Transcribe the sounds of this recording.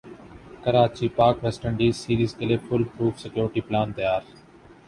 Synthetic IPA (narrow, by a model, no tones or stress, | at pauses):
kəɾaːt͡ʃiːpaːkʋɛːsʈəɳɖiːsiːɾiːzkeːleːfʰʊlpɾuːfʰsɪkjoːɾʈiːplaːnt̪əjaːɾ